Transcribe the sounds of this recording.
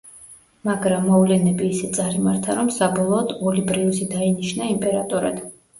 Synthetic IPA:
maɡɾamːɔvlɛnɛbiːsɛt̪sʼaɾimaɾt̪ʰaɾɔmsabɔlˠɔːd̪ɔlibɾiusid̪ainiʃnaimpʼɛɾat̪ʼuɾa̰d̪̥

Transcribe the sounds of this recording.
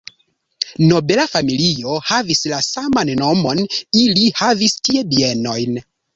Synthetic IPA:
no̞be̞lafamilio̞havislasamanno̞mo̞nilihavistie̞bie̞no̞jn

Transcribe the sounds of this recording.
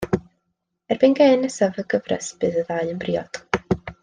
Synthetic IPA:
ɛrb̥ɨnɡɛnəsavəɡəvrə̰sb̥ɨðəðaɨənbriːɔd̥

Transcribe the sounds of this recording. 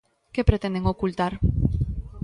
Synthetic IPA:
kepɾet̪end̪eŋɡokult̪aɾ

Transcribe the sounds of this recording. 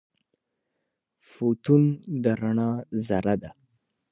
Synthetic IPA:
fot̪und̪əɾaɳɑzaɾad̪a

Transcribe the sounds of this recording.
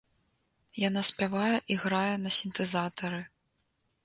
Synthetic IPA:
janasʲpʲavajɛʔiɣɾajɛnɐsʲint̪ɛzat̪ɐɾɨ

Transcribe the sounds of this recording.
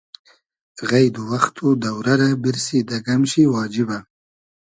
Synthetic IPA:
ɣajd̪uwaxt̪ʰod̪awɾaɾabɪɾsid̪aɡamʃiwɑːd͡ʒɪba

